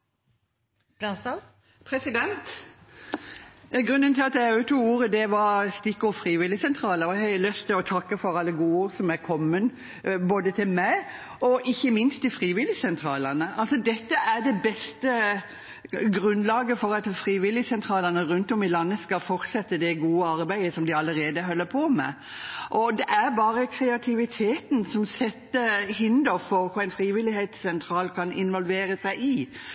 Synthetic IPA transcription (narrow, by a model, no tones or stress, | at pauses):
lɑsɑ | pʰɾɛsɪd̪ɛnt̪ | ɡɾʉnd̪ənt̪ʰɪlɑt̪d̪ɛʉt̪ʰuːuːɾəd̪ɛʋɑɾst̪ɪkːʊfɾiːʋɪlɪsɛnt̪ʰɾɑːləɔhɛlœst̪ʰɪlɔt̪ʰɑkːəfɔɾɑlːəɡuːuːɾsɔmæɾkʰɔmːən | boːd̪ət̪ʰɪlmæɪ | ɔʔɪçːəmɪnst̪̚ɪfɾiːʋɪlːɪsɛnt̪ʰɾɑːlənəɑlsɔd̪ɛt̪ːəæɖɛbɛst̪ə | ɡɾʉnlɑːɡəfɔɾɑt̪fɾiːʋɪlɪsɛnt̪ʰɾɑːlənəɾʉnt̪ɔmɪlɑnːəskɑfɔɾt̪sɛt̪ːəd̪ɛɡuːəɑɾbæɪəsɔmd̪ɪɑləɾeːd̪əɦœlːəpʰɔmɛ̰ | ʔɔd̪ɛʔæɾbɑːɾəkʰɾɛɑt̪ʰɪʋɪt̪ʰeːt̪n̩sɔmsɛt̪ːəhɪnd̪əɾfɔɾkʊæɪnfɾiːʋɪlɪheːt̪sːɛnt̪ʰɾɑːlkʰɑnɪnʋɔlʋeːɾəsæɪʔɪ